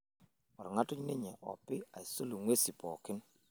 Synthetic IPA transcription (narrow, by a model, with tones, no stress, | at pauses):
ɔ˨ɾŋa˦tʊ˦ɲnɪ˦ɲɛ˨ʔɔ̰˨pɪ˦a˨ɪ˨so˦lu˨ŋwe˦si˨pɔ˨kɪ˦n